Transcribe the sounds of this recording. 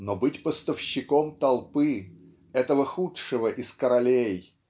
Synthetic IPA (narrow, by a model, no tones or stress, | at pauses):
nobɨtʲpəst̪əfɕːɪkomt̪ɐlˠpɨ | ɛt̪əvəxutʂɨvəʔɪskəɾɐlʲej